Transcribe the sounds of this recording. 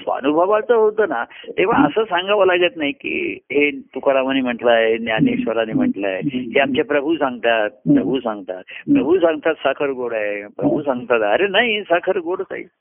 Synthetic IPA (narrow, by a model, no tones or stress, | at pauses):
sa̰nubʱəʋat͡səɦot̪əːnat̪eʋ̤aə̰səːsaŋɡaʋalaɡət̪naɦikḭːɦet̪ukɾamənim̤əʈlaɦeenjaniɕʋəɾanim̤əʈlaɦeɦeamt͡ɕapɾəbʱusãŋɡt̪at̪̚pɾəbʱusãŋɡt̪a̰t̪̚pɾəbʱusãŋɡt̪at̪sakʰəɾɡoɽaɦepɾəbʱusãŋɡt̪at̪əɾenaɦisakʰəɾɡoɽta̰ḭ